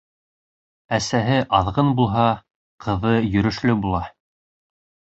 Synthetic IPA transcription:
æsæɦɘʔɑðʁɤnbulˠɦɑ | qʰɤ̆ðɤjɵ̆ɾɵ̆ʃlɵbulˠɑ

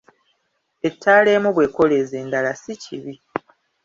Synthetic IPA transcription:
e̞tʰːaːle̞ːmuβwe̞ːko̞le̞zeːndalasiciβi

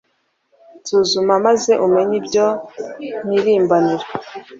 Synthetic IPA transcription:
zuːzumamaze̞ʔume̞ɲibɟon̥iɾiːmbaniɾa

